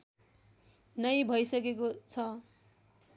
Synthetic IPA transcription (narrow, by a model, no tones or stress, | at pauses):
nʌjbʱʌjsʌkekot͡sʰʌ